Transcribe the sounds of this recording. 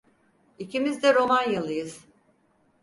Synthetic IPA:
icimizd̪ɛɾo̞manjalˠɯjɯz̥

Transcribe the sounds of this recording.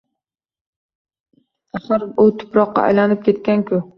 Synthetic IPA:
aχɨɾʊt̪ʰʊ̥pɾɒqːɑ̰a̰jlanɪp̚kʲʰe̞t̪̚kʲankʲʰʊ

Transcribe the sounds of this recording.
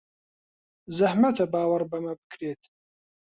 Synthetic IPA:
zɐhmɐt̪ɐbaːwɐɾbɐmɐbɨkʰɾeːt̪

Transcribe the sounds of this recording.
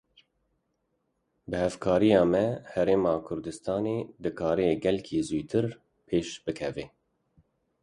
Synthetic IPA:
bɨhɛvkʰɑːɾijɑːmɛhɛɾeːmɑːkʰʊɾd̪ɨst̪ɑːneːd̪ɨkʰɑːɾɛeɡɛlkʰiːzujt̪ʰɨɾ | pʰeːʃb̥ɨkʰɛveː

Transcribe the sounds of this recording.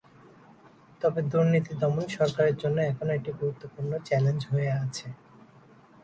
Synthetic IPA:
t̪ɔbed̪uɾnit̪id̪ɔmoniʃɔɾkaɾeɾd͡ʑonːoɛkʰonoeʈiɡʱuɾut̪ːopuɾnot͡ɕɛlend͡ʑɦoeat͡ɕʰe

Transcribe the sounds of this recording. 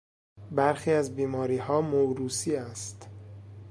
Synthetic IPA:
bæɾxiːæzbiːmɒːɾiːhɒːmoɾuːsiːæst̪

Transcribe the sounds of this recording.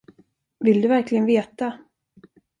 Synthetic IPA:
vɪld̪ɵvæɾklɪɡənveːt̪a

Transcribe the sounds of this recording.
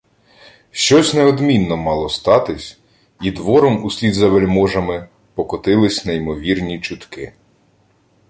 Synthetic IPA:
ʃt͡ʃɔsʲnɛɔd̪mʲinːɔmɑlˠɔst̪ɑt̪ɪsʲ | id̪ʋɔɾɔmusʲlʲid̪zɐʋelʲmɔʒɐmɪ | pɔkɔt̪ɪlˠɪsʲnɐimɔʋʲirnʲit͡ʃʊt̪kɪ

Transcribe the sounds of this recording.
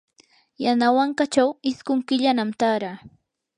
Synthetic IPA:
janawaɴkat͡ʃawɪskʊŋkɪʎanamt̪aɾaː

